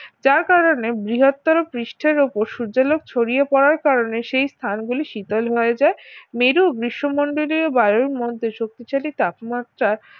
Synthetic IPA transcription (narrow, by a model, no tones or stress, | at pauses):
d͡ʑaɾkaɾonebɾiɦot̪ːɔɾopɾiʃʈʰeɾupoɾʃud͡ʑalok̚t͡ɕʰoɽijepɔɾaɾkaɾoneʃejst̪ʰanɡuliʃit̪olɦɔed͡ʑaemeɾuoɡɾiʃːomoɳɖoliɾobaɾoɾmod̪ʱːeʃok̚t̪it͡ɕalit̪apmat̪ːɾaɾ